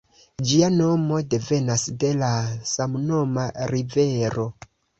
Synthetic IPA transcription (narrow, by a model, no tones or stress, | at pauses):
d͡ʒiano̞mo̞de̞ve̞nasde̞lasamno̞maɾive̞ɾo̞